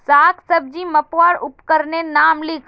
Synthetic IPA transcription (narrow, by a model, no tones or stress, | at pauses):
saːkʰsɐb̚d͡ʒimɐpʋaːɾʊpkəɾnenaːmlɪkʰ